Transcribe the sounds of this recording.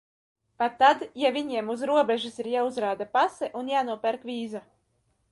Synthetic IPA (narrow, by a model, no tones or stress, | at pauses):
pat̪ːad̪javʲiɲiɛmuzɾuɔbʲɛʒisiɾjaːuzɾaːd̪apasɛʔunjaːnuɔpʲɛɾkvʲiːza